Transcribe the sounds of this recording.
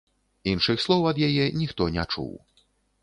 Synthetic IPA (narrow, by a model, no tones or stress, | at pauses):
inʂɨxslˠɔwɐd̪jajɛnʲixt̪ɔnʲɛt͡ʂṵw